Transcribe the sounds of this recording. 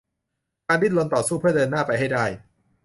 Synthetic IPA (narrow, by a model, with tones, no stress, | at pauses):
kaː˧ndi˥˩lo˧nt̪ɔː˨˩suː˥˩pɯ˥˩ɐdɤː˧nːaː˥˩pa˧jɦa˥˩jdaː˥˩j